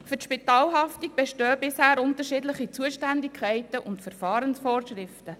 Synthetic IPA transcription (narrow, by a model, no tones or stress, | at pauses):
fʏtʃpitɑːlɦɑftiɡ̚b̥ɛʃtøːbɪshæːɾʊntəɾʃiːdlɪχit͡suəʃtændikʰχɛɪtəʔʊntfɛɾfɑːɾənsfɔːɾʃɾɪftə